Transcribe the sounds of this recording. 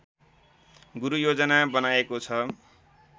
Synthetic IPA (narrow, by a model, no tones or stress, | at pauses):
ɡuɾujod͡zʌnabʌnaekot͡sʰʌ